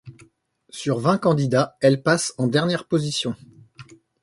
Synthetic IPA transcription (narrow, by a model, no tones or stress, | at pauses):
syʁvɛ̃kɑ̃d̪id̪aɛlpasɑ̃d̪ɛʁnjɛʁpozisjɔ̃